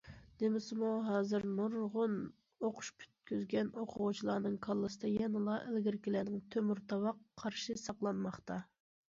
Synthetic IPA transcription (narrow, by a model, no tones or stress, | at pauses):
nemɪsɪmuɦɑːzɨɾnuɾʁʊn | oqʰʊ̥ʃpʲʰy̥t̪̚kʲyzɡʲɛnoqʰʊʁut͡ʃʰilˠɑːnɨŋkʰɑlˠːɨsɨd̪ɑjɛnɨlˠɑʔælɡʲɪɾɪkʲilæːnɪŋt̪ʰømyɾt̪ɑwɑqʰːɑɾʃɨsɑqlˠɑnmɑχt̪ɑ